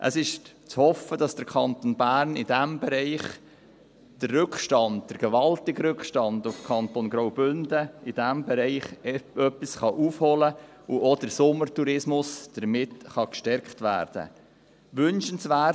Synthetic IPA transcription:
ʔə̰sɪʃ | t͡shɔfːəd̥ɑsd̥əɾkʰɑnt̪onbæːɾnɪd̥æmbɛɾɛɪχ | d̥ərːɵkχʃtɑnd̚d̥əɾɡ̥ɛʋɑltɪɡɾʏkχʃtɑndʊfkʰɑnt̪onɡɾawbʏnd̥əɪd̥æmbɛɾɛɪχœpːisχɑʔuːfhɔlə | uʔod̥əɾsʊmːəɾtuɾɪsmʊsd̥əɾmɪtχɑkʃtɛɾktʋæ̰ːɾd̥ə̰ | ʋʏnʃənsʋæ

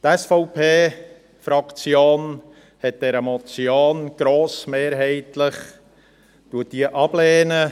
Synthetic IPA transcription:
tɛsfɔʊpʰeː | fɾɑkt͡sjoːn | hɛt̚d̥ɛɾəmɔt͡sjoːnɡ̥ɾoːsmeːɾɦɛɪtləχ | d̥uət̚d̥iəʔɑb̥leːnə

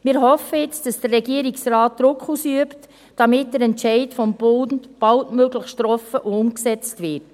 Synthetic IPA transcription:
mɪːɾɦɔfːəjɪt͡sd̥ɑsd̥ərːɛɡiəɾiksraːt̚d̥ɾʊkχusyəpt | d̥ɑmɪt̚dəɾɛntt͡ʃɛɪtfɔmb̥ʊnntb̥ɑltmøɡləχʃtɾɔfəʔoʊmksɛt͡stʋɪt

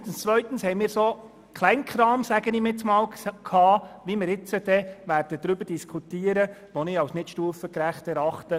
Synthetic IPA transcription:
tn̩st͡svʋœʏt̪ən̩shɛɪmiːɾso | kʰlɛɪnkχɾɑːmsæɡənɪmɪt͡smɑːlkʰɑːʋimɪɾɪt͡səd̥ɛʋæːrd̥əd̥ɾʏbəɾd̥iskʰutiːəɾə | ʋɔnɪɑwsnɪtʃtuːəfəkɾæχtɛɾɑχtə

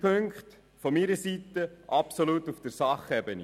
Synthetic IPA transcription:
pʰɵŋkχt | fɔmiɾəsit̪ːəʔɑpsɔlut̪ufd̥əɾsɑχɛbəni

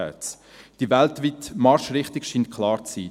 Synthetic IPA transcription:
ɛ̰ːt͡s | d̥ivɛltviːtmɑɾʃrɪχtɪkʃiːnt̚kʰlɑːɾt͡siː

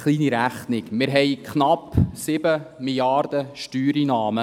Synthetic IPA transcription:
χliːniɾæχnɪkmɪɾɦɛɪkχnɑpsɪbəmiljɑɾd̥̪əʃtyːɾinɑːmə

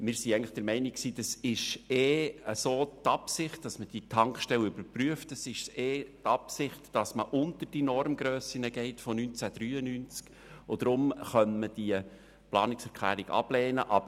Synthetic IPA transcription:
mɪːɾsiɛŋləχd̥ɛɾmɛɪniksiːd̥ɑsɪʃeːəsoːt̪ɑpsɪχt̚d̥ɑsməd̥itʰɑŋkʃtɛlʏbəɾpryəftəsɪʃseːtɑpsɪχtd̥ɑsməʔʊnt̪ərd̥inɔrmɡɾøːsinəɡɛɪtfɔnynt͡sæd̥ɾyːənynt͡sk | od̥̪ɾʊmχœnməd̥iə | plɑ̰ːnɪksɛɾkʰlæ̰ːɾiɡɑ̰b̥lɛːnəʔɑb

